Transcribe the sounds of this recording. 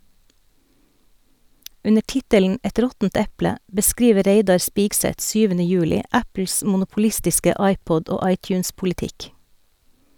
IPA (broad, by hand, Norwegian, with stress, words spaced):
ˈʉnə ˈʈɪtəln̩ ˈɛt ˈɾɔtn̩t ˈɛplə bəˈskɾiːʋə ˈɾeɪdɑɾ ˈspiːksɛt ˈsyːʋənə ˈjʉːlɪ ˈʔæpl̩s mʊnʊpʊˈlɪstɪskə ˈɑɪˌpɔd ˈoː ˈɑɪˌtjʉːnspʊlɪˌtɪk